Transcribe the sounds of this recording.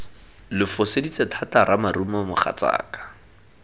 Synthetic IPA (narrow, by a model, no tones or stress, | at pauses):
lɪfʊsedit͡setʰataɾamarumɔmʊχa̰t͡sa̰ːkḁ